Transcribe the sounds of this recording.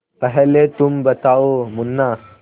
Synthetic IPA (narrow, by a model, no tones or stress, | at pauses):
pəɦɛlet̪umbət̪aomunːa